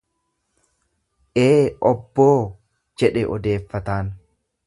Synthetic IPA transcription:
ʔeːɔbːoː | d͡ʒɛᶑɛʔɔd̪e̞ːfːɐt̪aːn

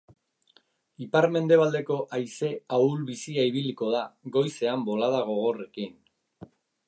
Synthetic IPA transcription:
ipaɾme̞nd̪e̞β̞ald̪e̞ko̞ʔajse̞aulβisiaiβ̞iliko̞ð̞aɣo̞jse̞ambo̞lað̞aɣ̞o̞ɣ̞o̞re̞kin

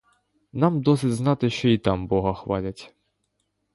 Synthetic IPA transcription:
nɑmd̪ɔsʲɪdʲznɑt̪ɪʃt͡ʃɔit̪ɑmbɔɦɐxʋɑlʲɐtʲ

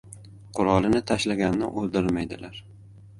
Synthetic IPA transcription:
qʰʊɾɒlˠɪnɪt̪ʰaʃlaɡʲannɪ̰ʔolˠd̪ɪɾmajd̪ɪlaɾ

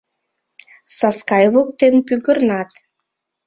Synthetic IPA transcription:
sɑskɑjβok̚t̪enpyɣərnɑt̪

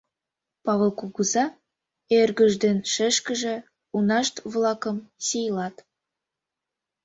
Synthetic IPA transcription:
pɑβəlˠkuɣuzɑ | erɣə̆ʒd̪enʃə̆ʃkə̆ʒĕ | unɑʃt̪βlˠɑkə̆msʲejlɑt̪

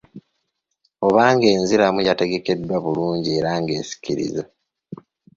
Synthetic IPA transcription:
o̞βaːŋɡe̞ːnziɾamujate̞ɡe̞ke̞dːwaβuluːɲɟie̞ɾaːŋɡe̞̰ːsi̥ciɾḭza

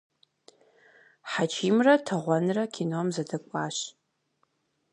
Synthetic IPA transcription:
ħat͡ʃʰiːmrɐtʰɐʁʷɔnrɐkʰʲinomzɐdɐkʷʼaːɕ

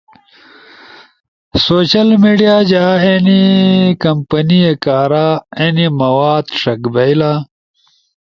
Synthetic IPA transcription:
soːt͡ɕɐlmiːɖijaːd͡ʑaːenikɐmpɐniekaːɾaːenimɐwaːd̪ʂɐkbɐila

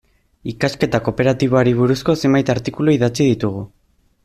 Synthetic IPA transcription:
ikaske̞t̪ako̞pe̞ɾat̪iβ̞oaɾiβ̞uɾusko̞se̞mbajt̪aɾt̪ikuloiðat͡siðit̪uɣu

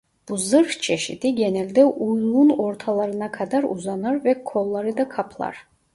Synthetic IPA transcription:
b̥uzɯɾt͡ʃʰeʃḭt̪iɡʲenɛlʲd̪ɛʔujˠunoɾt̪ʰɑlˠɑɾɯnɑkʰɑd̪ɑɾuzɑnɑɾvɛkʰolˠːɑɾɯd̪ɑkʰɑpʰlˠɑ̰ɾ

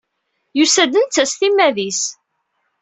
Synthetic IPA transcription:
jusæd̪ənt͡sːæsθimːæðis

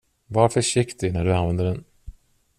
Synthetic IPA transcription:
vaɾfœʂɪkt̪ɪɡnæɖɵanvɛnd̪əɖɛn

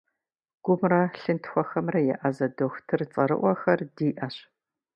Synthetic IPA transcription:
ɡ̥ʷʊmrɐɬɨntʰxʷɔxɐmrɐjɛ̰ʔɐzɐdoxʷtʰɨrt͡sʼɐɾɨ̰ʔʷɔxɐrdiːʔɐɕ

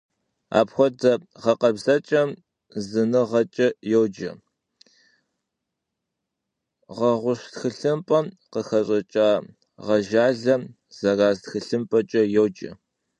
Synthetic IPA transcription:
a̰ːpxʷɔdɐʁɐqɐbzɐt͡ʃʼɐm | zɨnɨʁɐt͡ʃʼɐjɛwd͡ʒɐ̰ | ʁɐʁʷʊɕtxɨɬɨmpʼɐm | qəxɐɕʼɐt͡ʃʼaː | ʁɐʒaːɮɐm | z̥ɐɣaːztxɨɬɨmpʼɐt͡ʃʼɐjɛwd͡ʒɐ̰

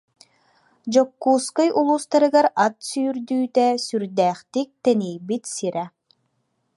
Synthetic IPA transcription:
d͡ʑɔkːuːskɯjʔulˠuːst̪aɾɯɡaɾat̪syːɾd̪yːt̪ɛsyɾd̪ɛːχt̪ik̚t̪ɛnijbit̪siɾʔɛ

